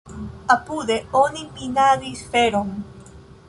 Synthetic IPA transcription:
apuðeonimpinaðisfeɾoŋ

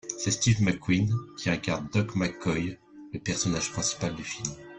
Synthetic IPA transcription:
sɛst̪ivmakwinkʲiɛ̃kaʁnd̪ɔkmakɔj | ləpɛʁsɔnaʒ̥pχɛ̃si̥pald̪yfilm

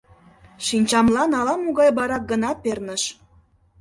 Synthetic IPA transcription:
ʃinʲt͡ɕɑmlɑnɑlɑmuɣɑjbɑɾɑk̚ɡənɑpernə̆ʃ

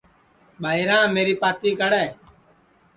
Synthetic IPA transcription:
bʱaːiɾãːmeːɾiːpaːt̪iːkəɽɛː

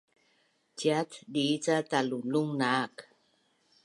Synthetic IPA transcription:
t͡ɕiatdit͡sataluluŋnaːk

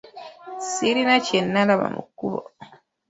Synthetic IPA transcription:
siɾinacenːalaβa̰mṵkːuβo̰

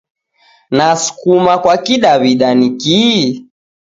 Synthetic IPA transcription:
nasu̥kumakwakiɗaβiɗaniki

